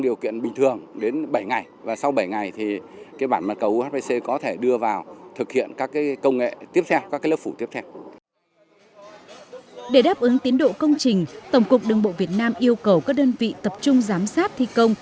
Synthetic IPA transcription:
ɗi˨˩əwkḭ˧˨ənɓï˨˩ŋ̟t̪ʰɨ˨˩əŋɗe˨˦nɓə˧˩jŋa˨˩jvaː˨˩sa˧wɓə˧˩jŋa˨˩jt̪ʰi˨˩kaː˨˦jɓaː˧˩nmaː˨˩t̚kə˨˩wʔu˧ha˦˥ɓe˧se˧kɔ˨˦t̪ʰe˧˩ɗɨ˧əvaː˨˩wt̪ʰɨ˨˩k̚hḭ˧˨ənkaː˦˥kːaː˨˦kə˧wŋ͡mŋḛ˧˨t̪i˦˥əp̚t̪ʰɛ˧wkaː˦˥kaː˨˦jlə˦˥pfu˧˩t̪i˦˥p̚t̪ʰɛ˧w | ɗe˧˩ɗaː˦˥p̚ʔɨ˨˦ŋt̪i˨˦ənɗo̰˧˨kə˧wŋ͡mt͡ɕï˨˩ŋ̟t̪ə˧˩wŋ͡mku˨˩ək̚ɗɨ˨˩əŋɓo̰˧˨vi˨˩ət̚naː˧mʔi˧əwkə˨˩wkaː˦˥k̚ɗəː˧nvḭ˧˨t̪ə˨˩p̚t͡ɕʊ˧ŋ͡mzaː˨˦msaː˦˥t̚t̪ʰi˧kə˧wŋ͡m

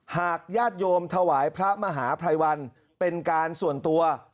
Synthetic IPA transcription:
haː˨˩k̚jaː˥˩t̪̚joː˧mt̪ʰa˧waː˩˦jpʰɾa˦˥ma˧ɦaː˩˦pʰɾa˧jwa˧n | pe˧nkaː˧nsu˨˩ənt̪u˧ɐ

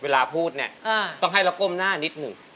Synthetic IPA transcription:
weː˧laː˧pʰuː˥˩t̪̚ni˥˩ɐ˧t̪ɔ˥˩ŋɦa˥˩jla˦ko˥˩mnaː˥˩ni˦˥t̪̚nɯ˨˩ŋ

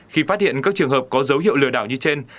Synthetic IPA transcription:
xi˧faː˦˥t̚hḭ˧˨ənkaː˦˥k̚t͡ɕɨ˨˩əŋɦəː˨˩p̚kɔ˨˦zə˨˦whɦḭ˧˨əwlɨ̰˧˩əɗaː˧˩wɲɨ˧t͡ɕe˧n

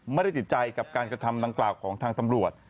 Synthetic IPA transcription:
ma˥˩jda˥˩jt̪ʰi˨˩t̪̚ːt͡ɕa˧jka˨˩p̚kaː˧nkɾa˧t̪ʰa˧mda˧ŋklaː˨˩wkʰɔː˩˦ŋt̪ʰaː˧ŋt̪a˧mɾu˨˩ət̪̚

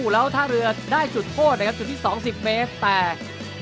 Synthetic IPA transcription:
lɛː˦˥wt̪ʰaː˥˩ɾɯ˧ɐdaː˥˩jt͡ɕu˨˩t̪̚pʰoː˥˩t̪̚na˥kʰa˦˥pt͡ɕu˨˩t̪ʰːiː˥˩sɔː˩˦ŋsi˨˩p̚meː˦˥t̪ːɛː˨˩

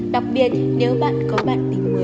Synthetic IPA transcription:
ɗa˨˩wk͡p̚ɓi˨˩ət̚ne˨˦wɓa̰ː˧˨nkɔ˨˦ɓa̰ː˧˨nt̪ï˨˧˦ŋ̟mu˨˦

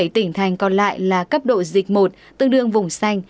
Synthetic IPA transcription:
jt̪ï˧˩ŋ̟t̪ʰa˨˩jŋ̟kɔ˨˩nla̰ː˧˨jlaː˨˩kə˦˥p̚ɗo̰˧˨zï˨˩k̟̚mo˨˩t̚ | t̪ɨ˧ŋɗɨ˧əŋvʊ˨˩ŋ͡msa˧jŋ̟

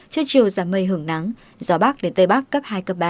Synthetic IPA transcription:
t͡ɕɨ˧t͡ɕi˨əwzaː˧˩mə˧jɦɨ˧˩əŋna˨˦ŋ | z̥ɔ˨˦ɓa˦˥k̚ɗe˨˦nt̪ə˧jɓa˦˥kːə˦˥p̚haː˧jkə˨˦˩p̚ɓaː˧˨

